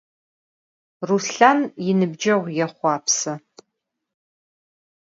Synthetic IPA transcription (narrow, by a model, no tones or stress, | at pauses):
rusɬanjɪnɨbd͡ʒɐʁʷjɛχʷɑːpʰsɐ